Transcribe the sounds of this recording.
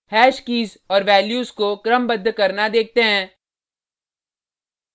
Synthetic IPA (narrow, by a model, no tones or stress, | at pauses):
hɛːʃkiːz | ɔːɾʋɛːljuːzkokɾəmbəd̪ʱːkɐɾnad̪eːk̚ʰt̪eɦɛ̃ː